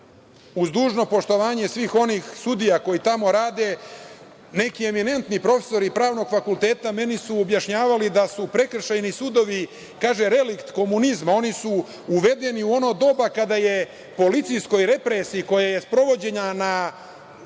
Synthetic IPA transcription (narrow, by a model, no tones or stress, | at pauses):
uzd̪uːʒno̞po̞ʂt̪o̞ʋaːɲe̞sʋiːxo̞nixsud̪ijako̞jit̪amo̞ɾaːd̪e̞ | ne̞kie̞mine̞nt̪nipɾo̞fe̥so̞ɾipɾaːʋno̞ɡfakulˠt̪e̞ːt̪ame̞nisuobjaʃɲaːʋalid̪asupɾe̞kr̩ʃajnisud̪o̞ʋi | kaːʒe̞ɾe̞likt̪ko̞munizmao̞nisu | uʋe̞d̪e̞niuo̞noːd̪o̞bakad̪aje̞ | po̞lit̪sijsko̞jɾe̞pɾesiːko̞jaje̞spɾo̞ʋo̞d͡ʑe̞ɲana